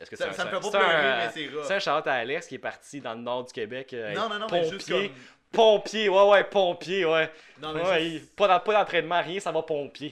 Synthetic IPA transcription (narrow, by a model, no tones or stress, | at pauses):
ɛskəssfɛsst̪eʁset̪ɛ̃ʃaʁlɔt̪aːlɛskʲɛpaʁt̪t͡sid̪ɑ̃lənɔːʁd̪ykʲebɛkãññpɔ̃pje | pɔ̃pjewɛwɛpɔ̃pjewɛ | nwɛwɛipɔd̪pɔd̪ɑ̃t̪χɛnmãʁjɛ̃savɔpɔ̃pje